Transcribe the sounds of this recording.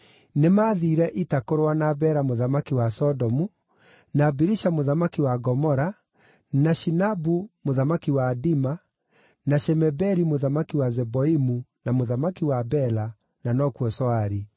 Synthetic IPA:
nemaðiːɾɛʔitakoɾowanabɛɾamoðamakiwasɔdɔmu | nabiɾiʃamoðamakiwaɡɔmɔɾa | naʃinabumoðamakiwaːdima | naʃɛmɛbɛɾimoðamakiwazɛbɔimunamoðamakiwabɛla | nanɔkwɔsɔaɾi

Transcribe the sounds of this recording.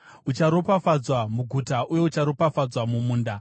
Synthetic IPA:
ut͡ʃaɾo̞pafad͡zwamuɡʱutaʔuje̞ut͡ʃaɾo̞pafad͡zwamumuːnda

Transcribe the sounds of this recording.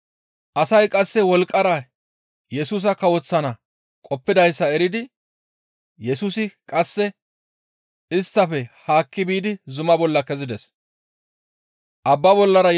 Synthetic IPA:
ʔɐsɐjkʼɐsːɛwɔlkʼːɐɾɐ | jɛsuːs̬ɐkɐwɔt͡sːɐnɐ | kʼɔpːɪd̪ɐjsːɐɛɾɪd̪ɪ | jɛsuːsɪkʼɐsːɛ | ɪst̪ːɐfɛhaːkːɪbiːd̪ɪzʊmɐbɔlːɐkɛzɪd̪ɛs | ʔɐbːɐbɔlːɐɾɐ

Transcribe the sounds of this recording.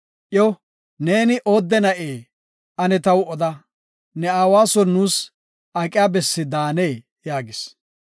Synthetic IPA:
ʔjɔ | ne̞ːnɪʔo̞ːd̪ːɛnɐʔeː | ʔɐnɛt̪ɐwɔd̪ɐ | nɛaːwaːsɔnːuːs | ʔɐkʼɪjaːbɛsːɪd̪aːne̞ː | jaːɡɪs

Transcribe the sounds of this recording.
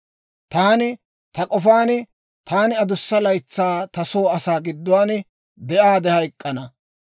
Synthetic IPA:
t̪aːnɪ | t̪ɐkʼɔfaːnɪ | t̪ʰaːnɪɐd̪ʊsːɐlɐjt͡sːaːt̪ɐsoːɐsaːɡɪd̪ːʊwaːn | d̪ɛʔaːd̪ɛhɐjkʼːɐnɐ

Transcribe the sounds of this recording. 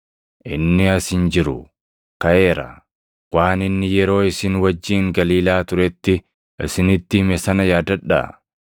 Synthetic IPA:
ʔɪnːɪɐsɪnd͡ʒɪɾʊ̰ | kɐʔe̞ːɾɐ̰ | waːnɪnːɪjɛɾo̞ːɪsɪnwɐd͡ʒːiːŋɡɐliːlaːt̪ʊɾɛt̪ːɪ | ɪsɪnɪt̪ːɪmɛsɐnɐjaːd̪ɐᶑːa̰

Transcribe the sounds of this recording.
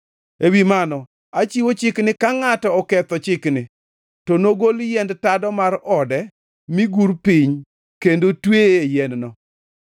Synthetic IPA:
ewimanɔ | at͡ʃiwot͡ʃɪknɪkaŋatɔɔkɛt̪ɔt͡ʃɪknɪ | tɔnoɡoljɛndtadɔmaɾɔdɛ | mɪɡuɾpiɲ | kendotwejɛnnɔ

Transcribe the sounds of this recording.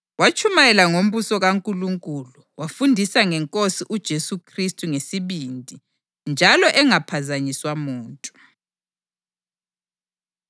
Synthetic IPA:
wat͡ʃʰʼumajɛlaŋom̩βusɔɣaŋkʼuluŋkʼuluwafundʱisaŋɛŋkʼosiʔud̥ʒ̥ʱesukʰristʼuŋesiβindʱi | nd͡ʒʱalɔʔɛŋapʰazaɲiswamuːntʼu

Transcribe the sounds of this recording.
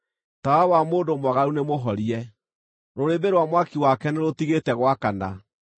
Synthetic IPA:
tawawamoːndomwaɣaɾunemoɦɔɾiɛ | ɾoɾebeɾwamwakiwakɛneɾotiɣetɛɣwakana̰

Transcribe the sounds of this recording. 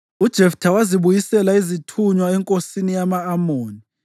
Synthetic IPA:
ud̥ʒ̥ʱɛftʰawaziβujisɛlaizitʰuɲwaɛŋkʼosinijamaːmoːni

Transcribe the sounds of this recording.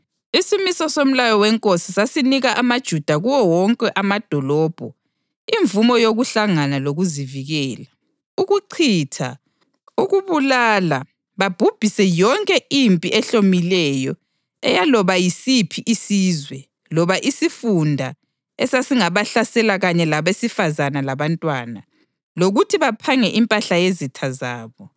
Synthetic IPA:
isimisɔsom̩lajɔwɛŋkʼosisasiniɣaʔamad̥ʒ̥ʱud̥ʱaɣuwɔwɔŋkʼɛʔamad̥ʱɔlɔːb̥ʱɔ | iɱvumɔjoɣuɬaŋanaloɣuziviɣɛːla | uɣuǀʰiːtʰa̰ | uɣuβulaːla | βab̥ʱub̥ʱisɛjɔŋkʼɛʔimpʼiʔɛɬomilɛjɔ | ɛjalɔβajisipʰiʔisiːzwɛ | lɔβaʔisifundʱa | ɛsasiŋaβaɬasɛlaɣaɲɛlaβesifazanalaβantʼwaːna | loɣutʰiβapʰaŋɛʔimpʼaɬajezitʰazaːβɔ

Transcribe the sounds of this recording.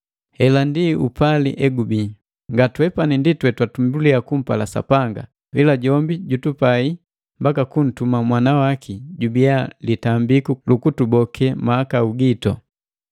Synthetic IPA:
hɛlandiupalḭʔɛɡubi | ŋɡatwɛpaninditwɛtwatumbuliakum̩palasa̰paŋɡa̰ | vilaɟɔmbiɟutupai | mbakakun̩tumamwanawakʰiɟubialitambikulukutubɔkʰɛmaːkauɡitɔ̰

